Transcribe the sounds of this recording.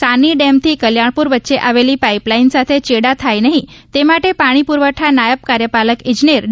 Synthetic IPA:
saniɖemt̪ʰiːkəljaɳpuɾʋət̪ːʃeʔaʋeliːpaiplainsat̪ʰet͡ɕeɽat̪ʰajnəɦit̪emaʈepaɽ̃ipuɾʋəʈʰanajəp̚kaɾjəpaləkĩd͡ʒneɾ

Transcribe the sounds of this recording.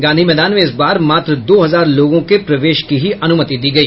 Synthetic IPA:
ɡãːnd̪ʱimɛːd̪aːnmẽɪsbaːɾmaːt̪ɾəd̪oːɦɐzaːɾloːɡõkepɾɐʋeːʃkiɦiʔɐnʊmət̪id̪iːɡɐiː

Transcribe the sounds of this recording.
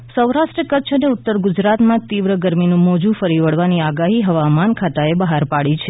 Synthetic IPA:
səwɾaʃʈɾəkəʃʰəneʊt̪ːəɾɡʊd͡ʒɾat̪mãt̪iʋɾəɡəɾminũmɔd͡ʒũfəɾiʋəɭʋaniaɡaɦiɦəʋamankʰat̪aebəɦaɾpaɭit͡ʃʰe

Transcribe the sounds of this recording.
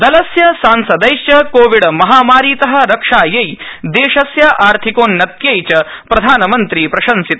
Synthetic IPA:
d̪ɐlɐsjɐsaːnsɐd̪ɐjʃt͡ʃɐkoːʋiɽɐmɐɦaːmaːɾiːt̪ɐɦɐ̆ɾɐkʂaːjejd̪eːʃɐsjɐʔaːɾt̪ʰikoːnːɐt̪̚jejt͡ʃɐpɾɐd̪ʱaːnɐmɐnt̪ɾiːpɾɐʃɐnsit̪ɐ

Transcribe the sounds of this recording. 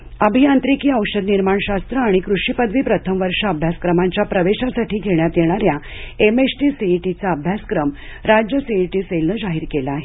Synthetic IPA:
əbʱiant̪ɾikiːəwɕəd̪niɾmaɳɕast̪ɾəaɽ̃ikɾuʂipəd̪ʱʋiːpɾət̪ʰəmʋəɾʂəəbʱjaskɾəmaɲt͡ɕjapɾəʋeɕasaʈʰiːɡʱeɽjat̪jeɽ̃aɾjaemesʈiːsiʈit͡saəbʱjaskɾəmɾad͡ʑjəsiiʈiːselnəːd͡ʑaɦiːɾkelaːɦe

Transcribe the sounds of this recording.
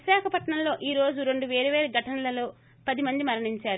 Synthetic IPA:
ʃaːkʰɐpɐʈɳɐmlo̞ːʔiːɾo̞ːd͡ʒuɾe̞ɳɖuʋeːɾuʋeːɾɐɡʱɐʈɐnɐlɐlo̞ː | pɐd̪imɐnd̪imɐɾɐɳiɲt͡ʃaːɾu

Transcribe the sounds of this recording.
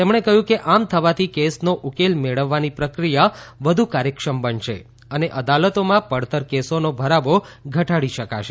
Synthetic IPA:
t̪emɳ̃ekəɦjũkeʔamt̪ʰəʋat̪ʰikesnoʔukelmeɭəʋːanipɾəkɾijaʋəd̪ʱukaɾjəkʃəmbənʃḛ | əneʔəd̪alət̪omãpəɽt̪əɾkesonobʱəɾaʋoɡʱəʈaɽiʃəkaʃe

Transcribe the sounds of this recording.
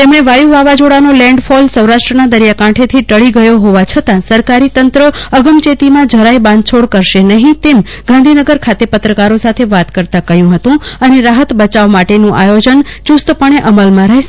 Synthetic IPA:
t̪emɳeʋajuʋaʋad͡ʒoɽanolɛ̃ɳɖfʰɔlsəwɾaʃʈɾənad̪əɾjakãʈʰet̪ʰiʈəɭiɡəjoɦoʋat͡ʃʰət̪ãsəɾkaɾit̪ənt̪ɾəəɡəmt͡ʃet̪imãd͡ʒʱəɾajbãnd̪̚t͡ʃʰoɽkəɾʃenəɦĩt̪em | ɡ̥ãnd̪ʱinəɡəɾkʰat̪epət̪ɾəkaɾosat̪ʰeʋat̪kəɾt̪ãkəɦjũɦət̪ũəneɾaɦət̪bət͡ʃaʋmaʈenũʔajod͡ʒənt͡ʃust̪pəɳ̃eʔəməlmãɾəɦ

